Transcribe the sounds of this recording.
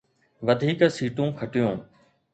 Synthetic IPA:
ʋɐd̪ʱiːksiːʈũːkʰɐʈijõː

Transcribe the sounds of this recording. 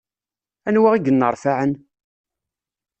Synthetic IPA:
ænwaʁiɡənːəɾˤfaʕən

